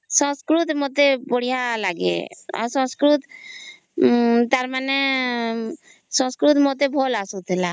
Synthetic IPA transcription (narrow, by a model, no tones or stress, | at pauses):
sɔ̃skɾut̪ʰmot̪ebɔɽijalaɡḛa̰ɾsɔ̃skɾut̪ | t̪aɾmane | sɔ̃skɾut̪mot̪ebʱɔlasut̪ela